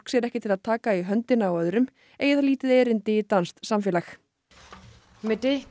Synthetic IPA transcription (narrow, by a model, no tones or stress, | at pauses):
ksɛɾɛhcɪt̪ʰɪlaðt̪ʰaːkaiɦœnt̪ɪnaːwœðʏɾʏm | eːjɪθaliːt̪ɪðeːɾɪnt̪ɪit̪anst̪samfjɛːlax | mɪt̪ɪ